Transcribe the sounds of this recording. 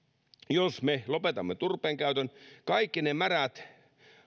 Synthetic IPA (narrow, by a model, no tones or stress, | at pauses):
josmelopet̪ɑmːet̪urpˑeːŋkæyt̪ønkɑikːinemæræt̪